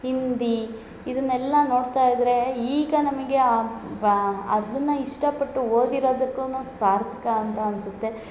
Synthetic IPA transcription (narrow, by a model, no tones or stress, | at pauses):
ɦind̪i | id̪ɐnːɛlːɐno̞ːɽt̪aːjid̪ɾe̞iːɡɐnɐmɐɡe̞a | ɐ̰d̪ɐnːɐiʂʈɐpɐʈːuɦoːd̪iɾo̞ːd̪ɐkːuːnuːsaːɾt̪ʰɐ̥kɐːnt̪ɐɐnsut̪ːe̞